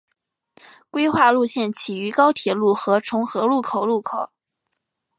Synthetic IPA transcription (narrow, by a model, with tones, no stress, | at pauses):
kwe˥ɪxwa˥˧lu˥˧ɕjɛ˥˩nt͡ɕʰi˨˩y˧˥kɑ˥ʊt̪ʰjɛ˨˩lu˥˩xɤ˧˥ʈ͡ʂʰʊ˧˥ŋxɤ˧˥lu˥˩kʰo˨˩ʊlu˥˩kʰo˨˩˦